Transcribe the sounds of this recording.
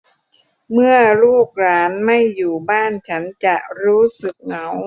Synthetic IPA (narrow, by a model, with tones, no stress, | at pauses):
mɯ˥˩ɐluː˥˩k̚ɾaː˦˥nma˥˩jːuː˨˩baː˥˩nt͡ɕʰa˦˥nt͡ɕa˨˩ʔɾuː˦˥sɯ˨˩k̚ŋa˩˦w